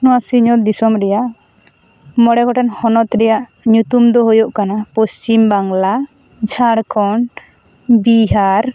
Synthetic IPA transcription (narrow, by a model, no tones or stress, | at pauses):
nɔwasiɲɔt̪̚d̪isɔmɾɛjaʔ | mɔɽɛkɔʈanhɔnɔt̪ɾɛjaʔ | ɲut̪umd̪ɔɦujoʔkanapɔst͡ʃimbaŋla | d͡ʒʱaɽkʰɔn | biɦaɾ